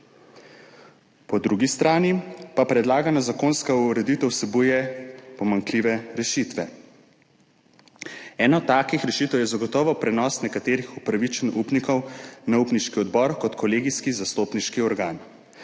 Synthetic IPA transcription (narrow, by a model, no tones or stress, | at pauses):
pɔd̪ɾuɡist̪ɾaːnipapɾɛd̪laːɡanɔzakoːnskauɾɛd̪it̪əwsɛbujɛpɔmaŋkliːʋɛɾɛʃit̪ʋɛ | ɛːnɔt̪ːaːkixɾɛʃiːt̪ɛwjɛzaɡɔt̪ɔːʋɔpɾɛnɔsnɛkat̪eːɾixupɾaʋit͡ʃənupnikɔwnaupniʃkiɔd̪bɔɾkɔt̪kʰɔleːɡiskizast̪oːpniʃkiɔɾɡaːn